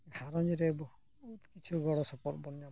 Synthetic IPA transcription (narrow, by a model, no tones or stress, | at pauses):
ɡʱaɾɔnd͡ʒiɾebɔhu | ut̪kit͡ʃʰuɡɔɽɔsɔpɔɾbɔnja